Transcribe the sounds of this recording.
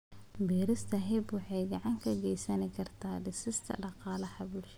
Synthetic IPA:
bɛːɾɪst̪ʰɐɦɛbwɑħɑjɡɑʕɑŋkʰɐɡɛjsɐnɪkʰɐrt̪ʰaːɖɪsɪst̪ʰɐ̰ɖɑqɑːlɐhɐbʊlʃɐ

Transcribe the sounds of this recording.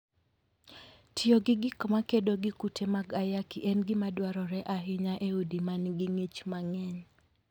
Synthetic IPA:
tʰɪoɡɪɡɪkmakedoɡɪkutʰemaɡajakiʔɛnɡɪmadwaɾɔɾɛʔaɦɪɲaʔeudimanɡɪŋit͡ʃmaŋɛɲ

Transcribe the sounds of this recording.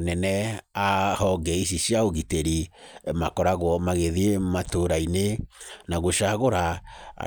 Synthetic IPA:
nɛnɛahɔɡɛiʃ̬iɕjaoɣiteɾimakɔɾaɣwɔmaɣeðiematoɾainenaɣoʃaɣoɾa

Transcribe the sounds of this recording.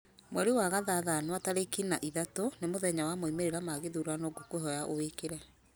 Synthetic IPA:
mwɛɾewaɣaðaðanowataɾekinaʔiðatonemoðɛɲawamoimeɾeɾamaɣeðuɾanoːɡokoɦɔjaʔowekeɾɛ

